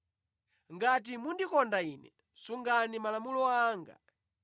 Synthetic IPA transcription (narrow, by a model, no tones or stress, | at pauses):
ŋɡat̬imundikɔndainɛ̰ | suŋɡanimalamulɔaːŋɡa̰